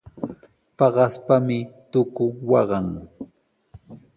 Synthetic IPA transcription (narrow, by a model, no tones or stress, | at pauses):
pɑɢɑspamɪt̪ʊkʊwɑɢɑŋ